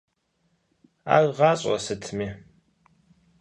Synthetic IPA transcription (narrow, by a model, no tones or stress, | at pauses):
a̰ːwʁɑːɕʼɔ̰sɨtʰmiː